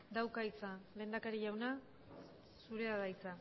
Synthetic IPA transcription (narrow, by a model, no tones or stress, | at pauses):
d̪awkajt͡sale̞ːnd̪akaɾiʝawna | suɾe̞aðajt͡sa